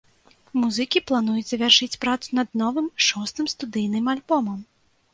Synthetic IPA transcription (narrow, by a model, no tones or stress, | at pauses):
muzɨkʲiplˠan̪ujɛt͡sʲɐvʲarʂɨt͡sʲpɾat̪sunɐd̪nɔvɨmʂɔst̪ɨmst̪ud̪ɨjnɨmalʲbɔmɐm